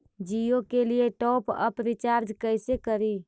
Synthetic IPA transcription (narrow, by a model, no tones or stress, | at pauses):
d͡ʒijokelijeʈɔpə̰pɾit͡ʃaɾd͡ʒkəjsekəɾi